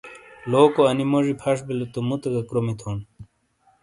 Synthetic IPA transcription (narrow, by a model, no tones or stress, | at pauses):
loːkoɐnimoʐipʰɐʂbilot̪umut̪eɡɐkɾomit̪ʰon